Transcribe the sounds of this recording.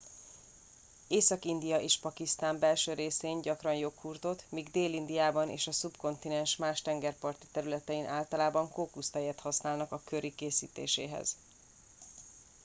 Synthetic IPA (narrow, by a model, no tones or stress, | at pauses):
eːsɒkind̪ijɒʔeːʃpɒkist̪aːmbɛlʃøːɾeːseːɲɟɒkrɒnjo̞khurt̪o̞t̪miːɡd̪eːlind̪ijaːbɒnʔḛːʃɒsupko̞nt̪inɛnʃmaːʃt̪ɛŋɡɛrpɒrt̪i̥t̪ɛɾylɛt̪ɛinʔaːlt̪ɒlaːbɒŋkoːkust̪ɛjɛt̪hɒsnaːlnɒkɒkøɾikeːsḭːt̪ḛːʃḛːɦɛ̰z̥